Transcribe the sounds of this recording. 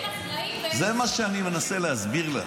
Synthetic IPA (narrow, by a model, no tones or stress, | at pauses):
zemaʃeanime̞naseleɦazbiʁla̰